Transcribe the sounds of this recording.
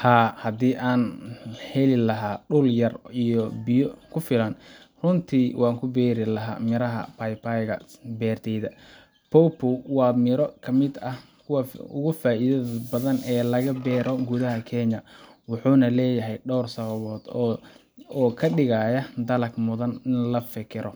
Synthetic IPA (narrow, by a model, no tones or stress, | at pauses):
haːhɐd̪iːʔaːnhɛlɪlɐɦaːɖʊljɐrijɔbɪjɔkʰʊfɪlɐn | rʊnt̪ʰiːwʔɑːŋkʰʊbɛːɾɪlɐɦa̰ːmɪɾɐɦɐ̰pʰajpajɣɐ̰bɛːrt̪ʰɛjðɐ | pʰɔpʰʊwɑːmɪɾɔkʰɐmɪd̪ɐhkʰʊwɐʊ̰ɣʊfaːʔiðɐðbɐðɐnɛːlɐɣɐbɛːɾɔɡʊðɐɦɐkʰɛɲjɐwɑħuːnɐlɛːjɐɦɛjɖɔːrsɐβɐβɔːd̪ | ɔːkʰɐɖɪɣaːjɐd̪ɐlɐɡmʊðɐnɪnlɐfɪkʰɪɾʔɔ